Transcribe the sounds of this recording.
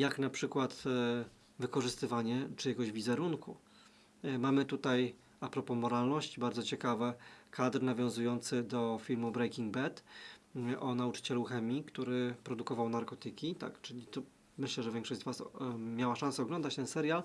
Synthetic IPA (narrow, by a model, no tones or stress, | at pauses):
jaknapʂɘkwat̪ | vɘkɔʐɘst̪ɘvaɲɛt͡ʂɘjaɡɔʑvʲizɛɾunku | mamɘt̪ut̪aj | apɾɔpɔmɔɾalnɔɕt͡ɕibaɾd̪ɔt͡ɕɛkavɛkad̪ɾnavʲjɔ̃w̃zujɔnt̪sɘd̪ɔfʲilmubɾɛjkʲiŋɡbɛt̪ | ʔɔnaut͡ʂɘ̥t͡ɕɛluxɛmʲikt̪uɾɘpɾɔd̪ukɔvawnaɾkɔt̪ɘkʲit̪a̰kt͡ʂɘlʲit̪ɔ | mɘɕlɛʐɛvʲjɛ̃ŋkʂɔʑd͡ʑzvasmʲjawaʂãnsɛɔɡlɔnd̪at͡ɕt̪ɛnsɛɾʲjal